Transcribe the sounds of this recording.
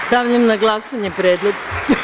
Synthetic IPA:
st̪aʋʎamnaɡlˠasaɲepɾeːd̪lˠoɡ

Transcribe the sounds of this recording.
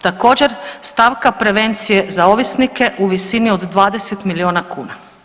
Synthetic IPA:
t̪ako̞d͡ʑe̞ɾst̪aːʋkapɾe̞ʋe̞nt̪sije̞zao̞ʋisnike̞ʔuʋisinio̞d̪ːʋaːd̪e̞set̪milio̞ːnakṵːna

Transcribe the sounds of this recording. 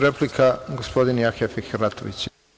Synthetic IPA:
ɾeplikʰaɡospo̞d̪injaxefixɾat̪ʰo̰ʋḭt͡ɕ

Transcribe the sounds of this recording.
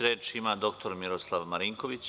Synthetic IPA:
ɾe̞ːt͡ʃimad̪o̞kt̪o̞ɾmiɾoslˠaʋmaɾiŋkoʋit͡ɕ

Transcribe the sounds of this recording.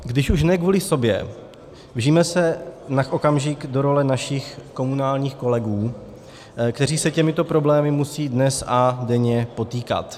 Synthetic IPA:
ɡdɪʃuʃnɛkvuːlɪso̞bjɛ̰ | vʒiːmɛsɛnakʔokamʒɪkdo̞ɾo̞lɛnaʃɪxko̞munaːlɲiːxko̞lɛɡuː | kt̪ɛriːsɛcɛmɪt̪o̞pɾo̞blɛːmɪmusiːdnɛsadɛɲɛpo̞t̪iːka̰t̪

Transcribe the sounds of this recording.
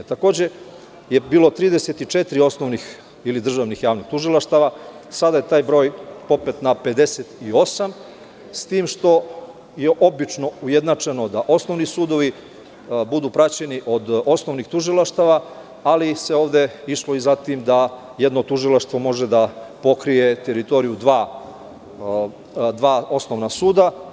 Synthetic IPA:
t̪ako̞ːd͡ʑe̞ | jebiːlˠot̪ɾiːd̪eset̪it͡ʂet̪ɾio̞snoʋnix | ilid̪r̩ʒaʋnixjaːʋnixt̪uʒilˠaʃt̪aʋasad̪ajet̪aːjbɾo̞ːjpo̞pet̪nape̞d̪e̞set̪io̞sam | st̪iːmʃt̪o̞ | jeʔo̞bit͡ʂno̞ujed̪nat͡ʂe̞no̞d̪aʔo̞snoʋnisuːd̪o̞ʋi | bud̪uːpɾat͡ɕe̞niʔo̞d̪o̞sno̞ʋnixt̪uʒilˠaʃt̪aʋa | aliseo̞ːʋd̪e̞iʃlo̞izat̪imd̪a | jed̪no̞t̪uʒilˠaʃt̪ʋo̞mo̞ʒe̞d̪apo̞kɾije̞t̪eɾit̪o̞ɾijud̪ʋaː | d̪ʋaːo̞snoʋnasuːd̪a

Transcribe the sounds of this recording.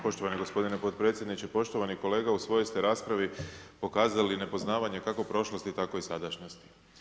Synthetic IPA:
po̞ʃt̪o̞ʋaneɡo̞spo̞d̪inepo̞t̪pɾe̞t̪sʲjed̪nit͡ɕepo̞ʃt̪o̞ʋaniko̞le̞ːɡausʋo̞jost̪eɾaːspɾaʋipo̞kaːzaline̞po̞znaːʋaɲe̞kako̞pɾo̞ʃlost̪it̪ako̞isad̪aʃnost̪i̥

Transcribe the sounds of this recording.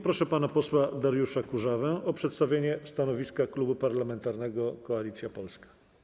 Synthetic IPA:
pɾɔʂɛpanapɔswad̪aɾjuʂakuʐavɛʔɔpʂɛt̪st̪avʲjeɲɛst̪anɔvʲiskaklubupaɾlamɛnt̪aɾnɛɡɔkɔalʲit̪sʲjapɔlskḁ

